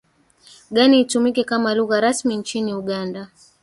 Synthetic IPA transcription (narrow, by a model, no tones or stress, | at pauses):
ɠaniːtumikɛkamaluɣaɾasmint͡ʃiniuɠanda